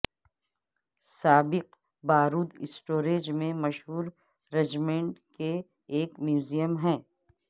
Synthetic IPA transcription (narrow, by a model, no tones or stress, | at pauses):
saːbɪq | baːɾuːd̪ɪ̰sʈoːɾeːd͡ʒmẽmɐʃɦuːɾ | ɾed͡ʒmẽːɳʈke | eːkmjuːzijəmɦɛ̃ː